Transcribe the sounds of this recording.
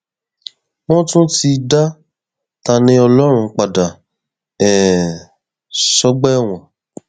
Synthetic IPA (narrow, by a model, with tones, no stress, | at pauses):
w̃ɔ̃˦tũ˦ti˧da˦ | ta˧nĩ˧ɔ˧lɔ˦ɾ̃ũ˧k͡pa˨da˨ | ɛ˨ | sɔ˦ɡ͡bɛ˦˨w̃ɔ̃˨